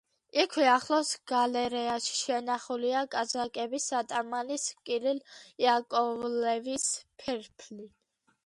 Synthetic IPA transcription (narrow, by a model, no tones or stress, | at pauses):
ikʰwɛaχlɔsɡ̥alɛɾɛaʃi̥ʃɛnaχuliakʼazakʼɛbisat̪ʼamaliskʼiɾiljakʼɔvlɛvispʰɛɾpʰli